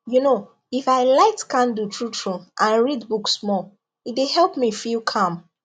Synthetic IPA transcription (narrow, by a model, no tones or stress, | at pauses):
juno | ifaɪlaɪtkãndutʰɹutʰɹuʔãnɹidbuksmɔ | it̚dehɛlˠpmifilkʰʌ̃m